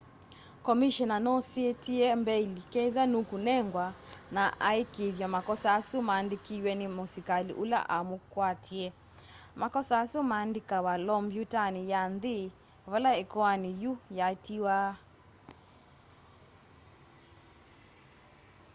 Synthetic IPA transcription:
kɔmiʃɔnanɔsiɛtiɛmbɛilikɛðanukunɛŋɡwanaʔaikiðjamakɔsaːsumaːndikiwɛnimosikalḭʔula̰ʔamukwatʰiɛ | makɔsaːsumaːndikawalɔmbjutanijanði | βalaɛkɔanijujatiwaː

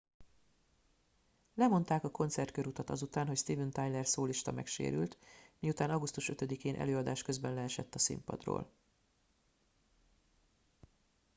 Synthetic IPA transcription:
lɛmo̞nt̪aːkɒko̞nt̪sɛrt̪kø̞ɾut̪ɒt̪ɒzut̪aːnɦocst̪ivɛnt̪ajlɛrsoːliʃt̪ɒmɛ̰kʃḛːɾy̰lt̪mijut̪aːnɒɡust̪uʃø̞t̪ø̞d̪ikeːnʔɛ̰løːɒd̪aːʃkø̞zbɛnlɛɛʃɛt̪ːɒsḭmpɒ̰d̪ro̰ːl

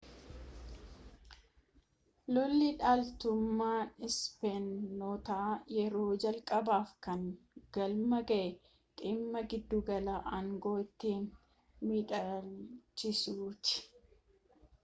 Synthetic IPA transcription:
lɔlːiᶑaːlt̪ʊmːaːnɪspenːoːt̪aːjɛɾo̞ːd͡ʒɐlkʼɐbaːfkɐŋ | ɡ̥ɐlmɐɡɐʔɛ | t̪ʼiːmːɐɡɪd̪ːuːɡɐlaːʔɐŋɡo̞ːt̪ːiːn | miːᶑalt͡ʃːɪsuːt̪ɪ̥

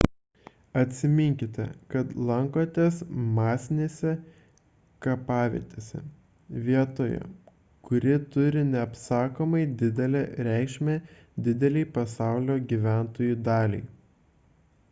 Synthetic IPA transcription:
ɐt̪ʲsʲɪmʲɪŋʲkʲɪt̪ʲɛ̰kɐt̪lˠɐŋkoːt̪ʲeːsmɑːsʲnʲeːsʲɛ | kɐpɑːʋʲḭt̪ʲeːsʲɛ̰ | ʋʲiɛt̪oːjɛ̰ | kʊɾʲɪt̪ʊɾʲɪnʲɛɐpsɑːkoːmɐɪd̪ʲɪd̪ʲɛlʲɛɾʲæˑɪkʃʲmʲɛ | d̪ʲɪd̪ʲɛlʲɛɪpɐsɑˑʊlʲoːɡʲiːʋʲæˑnt̪oːjud̪ɑːlʲɛ̰ɪ

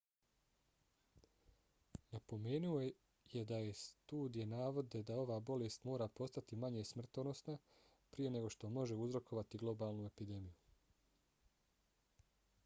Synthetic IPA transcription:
napo̞meːnuo̞ | jed̪aje̞st̪uːd̪ije̞naːʋo̞d̪e̞d̪ao̞ʋaːbo̞lest̪mo̞ːɾapo̞st̪at̪imaɲesmr̩t̪ono̞sna | pɾije̞ne̞ɡo̞ʃt̪o̞mo̞ʒe̞uzɾo̞kʰo̞ʋat̪iɡlˠo̞baːlˠnue̞pid̪e̞miju

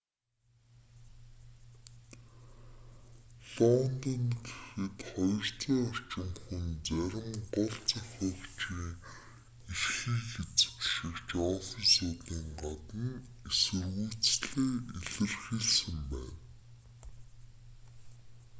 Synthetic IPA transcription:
ɮɔnt̪ɔnt̪ʰe̥xɘ̆t̪χɔjɞ̆r̥t͡sɔːar̥t͡ɕɪ̆ŋxunt͡sæɾʲɪ̆mɢɔɮt͡saxɔkt͡ɕiːŋ | irxiːxet͡sɘ̥̆kʃĭkt͡ɕɔːsɞ̆nsʊːt̪iːŋɢat̪ə̆n | esɘ̆rɣuːt͡sɮeːiɮɘ̆rxiɮsɘ̆mpæ̰ːn

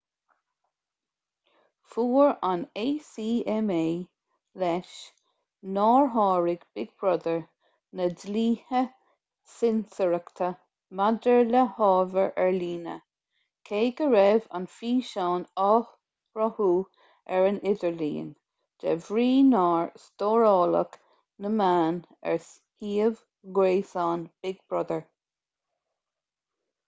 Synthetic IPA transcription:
fuːɹaneːsiːɛmeː | lɛʃ | nɑːɹɦɑːɹɪɡ̥b̥ɪɡ̚b̥ɹɔd̪əɹ | nədliːhə | sɪnsəɹəkt̪ʰə | mad̪əɹləhɑːvəɹʔɛɹliːnə̰ | kʰeːɡəɹɛva̰nfiːʃɑːnɑː | ɹɔhuː | ɛɹənɪd̪əɹlḭːən | d̥ɛ̰vɹiːnɑːɹst̪oːɹɑːlə̰k | nəmaːn | ɛ̰ɹs | hiːəv | ɡɹeːsɑːnb̥ɪɡ̚bɹɔd̪əɹ

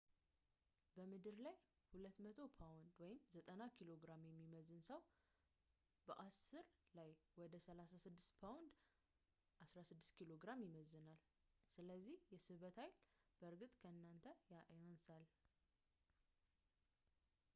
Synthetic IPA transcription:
bəmɨd̪ɨɾlaj | hulət̪ːmət̪ʰo̞pʰawnd̪wɔjɪmzət̪ʼənakʰiloɡɾamjɛmːiməzːɨnsəw | bəʔasːɨɾlajwɔd̪əsəlasasɨd̪ːɨst̪pʰawnd̪ | ʔasɾasɨd̪ːɨst̪kʰilo̞ɡɾamjɪməzːɨnal | sɨləzːihjɛsɨβət̪hajlb̥əɾɡɨt̪ʼkʰəɨnːant̪ʰəjaʔansal

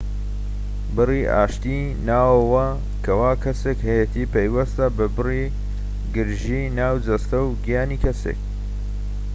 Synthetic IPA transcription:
bɨriʔa̰ːʃt̪i | naːwɐwɐ | kʰɐwaːkʰɐsekhɐjet̪ʰiːpɐjwɐst̪ɐbɐbɨri | ɡɨɾʒiːnaːwd͡zɐst̪ɐwɡijaːniːkʰɐsḛk̚

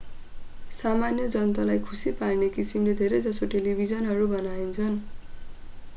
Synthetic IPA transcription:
samanjʌd͡zʌnt̪alajkʰusiparnekisimled̪ʱeɾejd͡zʌsoʈelibʱid͡zʌnɦʌɾubʌnaint͡sʰʌn

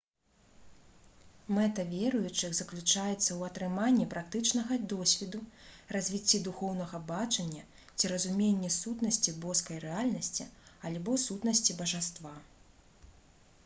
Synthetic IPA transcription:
mɛt̪ɐvʲeɾujut͡ʂɨɣzɐklʲut͡ʂajɛt̪sːɐwɐt̪ɾɨmanʲːipɾak̚t̪ɨt͡ʂnɐɣɐd̪ɔsʲvʲɛd̪urɐzʲvʲit͡sʲːid̪uxɔwn̪ɐɣɐbat͡ʂɐnʲːɐ | t͡sʲiɾɐzumʲenʲːɛsut̪nɐsʲt͡sʲibɔskɐjrɛalʲnɐsʲt͡sʲialʲbɔsut̪nɐsʲt͡sʲibɐʐast̪va

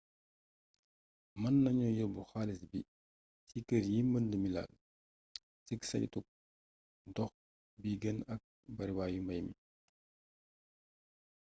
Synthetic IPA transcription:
mɐnːɐɲɔjɔbuxaːlisbi | sikəɾjiməndəmila̰l | siksɐ̰lḭtuk̚ | dɔx | biɡənɐk̚ | bɐɾibaːjumbɐjmḭ

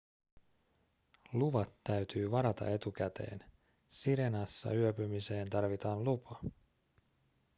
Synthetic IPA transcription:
luʋɑt̪ːæɥt̪yːʋɑɾɑt̪ɑ̰ʔe̞t̪uk̟æt̪e̞̰ːn | siɾe̞nɑsːɑ̰yøpymise̞ːnt̪ɑrʋit̪ɑːnlupʰɑ

